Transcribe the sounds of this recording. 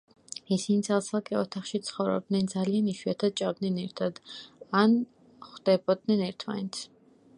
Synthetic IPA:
isinit̪sʰalˠsʰalˠkʼɛɔt̪ʰaχʃit̪sʰχɔvɾɔ̰b̚d̪nɛnd̪zalianiʃiat̪ʰad̪̚t͡ʃʼavd̪nɛnɛɾt̪ʰad̪an | χd̪ɛbɔd̪̚nɛnɛɾt̪ʰma̰nɛt̪sʰ

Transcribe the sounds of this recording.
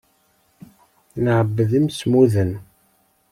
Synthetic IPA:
nəʕəbːəðəmsmuðən

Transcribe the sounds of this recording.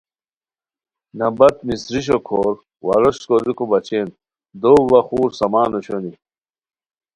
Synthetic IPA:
nɐbɐt̪misɾiɕ̬okʰoːɾ | wɐ̰ɾoɕkoɾikobɐt͡ɕeːn | d̪oːwːɐxuːɾsɐmaːnoɕoni

